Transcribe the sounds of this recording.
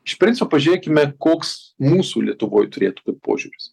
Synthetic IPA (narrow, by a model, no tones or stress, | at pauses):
ɪʃpʲɾʲɪnʲt͡sʲɪpoːpɐʒʲʊɾʲeːkʲɪmʲɛkoːks | muːsuːlʲiɛt̪ʊʋoːjt̪ʊɾʲeːt̪ʊtut̪̚pʰo̰ːʒʲuːɾʲʊs